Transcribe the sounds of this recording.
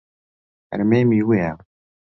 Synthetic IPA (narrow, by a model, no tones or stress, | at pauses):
ɾmæmiwi